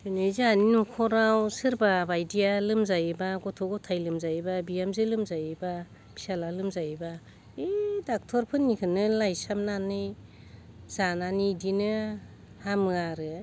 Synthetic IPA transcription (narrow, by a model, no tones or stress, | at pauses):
ɯnɯjzaninukʰɔɾawsɯɾbabajdijalɯmzajebaɡɔtʰɔɡɔtʰajlɯmzajbabiamzɯlɯmzajeba | b̥ʰi̥salalɯmzajba | edak̚tʰɔɾpʰɯnːikʰɯnːɯlajsamnanɯj | zananidinɯ | hamɯaɾɯ